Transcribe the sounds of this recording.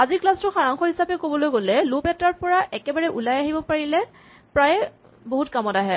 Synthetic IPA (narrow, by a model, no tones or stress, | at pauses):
aziɹklastʊxaɹaŋxɔɦisapɛkobɔlojɡolɛlupɛtaɹpɔɹaʔɛkɛbaɹɛʔulajaɦibɔpaɹilɛ | pɹaj | boɦutkamɔtaɦɛ